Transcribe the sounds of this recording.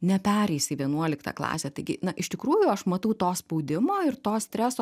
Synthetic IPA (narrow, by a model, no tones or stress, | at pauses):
nʲɛpʲæːɾʲɛɪsɪʋʲiɛnuɔlʲɪkt̪ɑ̰ːklˠɑ̰ːsʲɛt̪ɐɪɡʲɪ̰nɐʔɪʃt̪ʲɪkɾuːjʊɐʃmɐt̪ɐʊt̪oːspɐʊd̪ʲɪmoːɪrt̪oːsʲt̪ʲɾʲæːsoː